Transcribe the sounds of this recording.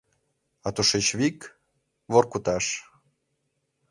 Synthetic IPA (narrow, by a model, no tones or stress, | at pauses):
ɑt̪uʃet͡ɕβik | βorkut̪ɑʃ